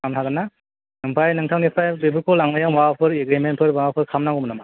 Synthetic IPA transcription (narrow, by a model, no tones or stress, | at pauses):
amtʰazana | nɯŋpʰajnɯŋtʰawnipʰajbebɯkʰɔlaŋlajawmapʰɯɾeɡɾimenpʰɯɾbaapʰɯɾkʰamnaŋɔmnama